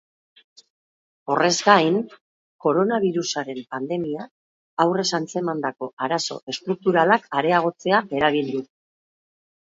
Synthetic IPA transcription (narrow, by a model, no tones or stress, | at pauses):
o̞re̞zɡajn | ko̞ɾo̞naβ̞iɾusaɾe̞mpand̪e̞miaː | wre̞sant͡se̞mand̪ako̞ʔaɾaso̞̰ʔe̞st̪ɾuk̚t̪uɾalakaɾe̞aɣ̞o̞t͡se̞ae̞ɾaβild̪u